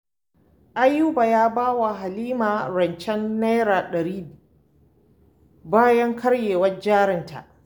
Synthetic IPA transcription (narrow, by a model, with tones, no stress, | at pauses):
ʔa˦jːuː˦ba˨jaː˦baː˦wa˨ɦa˨liː˦maː˨ɾɐ˨nt͡ʃɛ˦nːa˦jɾaː˨ɗɐ˨ɾiː˦ | baː˦jɐ˦ŋkʰɐ˦ɽjeː˨wɐ˦d͡ʒaː˦ɾɪ˨nta̰˨ʔ